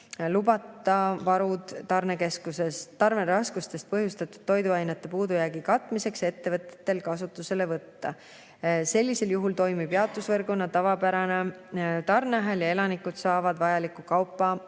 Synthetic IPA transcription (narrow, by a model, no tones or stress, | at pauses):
lubɑt̪ːˑɑvɑɾud̪̥ːɑrneke̞skuse̞st̪ːɑɾme̞ɾɑskust̪e̞st̪̚pɤɦjust̪ɑt̪ːˑud̪̥t̪ːo̞jd̪uɑjnet̪ːˑe̞puːd̪ujæːɡikɑt̪ːˑmise̞kse̞t̪ːe̞vɤt̪ˑːe̥t̪ːe̞lkɑsut̪ːˑuse̞le̞vɤt̪ːɑ | se̞lʲːise̞ljuɦult̪o̞jmib̥jeɑt̪ːˑusvɤrɡonːɑt̪ɑvɑpæɾɑnet̪ɑrneɑɦeljɑe̞lɑnikːˑud̪̥sɑːvɑd̪̥vɑjɑlikːˑukɑwpːˑɑ